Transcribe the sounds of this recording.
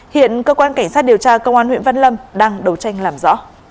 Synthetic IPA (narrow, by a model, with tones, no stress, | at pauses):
hḭ˧˨ənkəː˧kwaː˧nka˧˩ŋ̟sa˦˥t̚ɗi˨˩əwt͡ɕaː˧kə˧wŋ͡mʔaː˧nhwḭ˧˨ə˨nvə˧nlə˧mɗaː˧ŋɗə˨˦wt͡ɕa˧jŋ̟laː˨˩mzɔ̰˧˥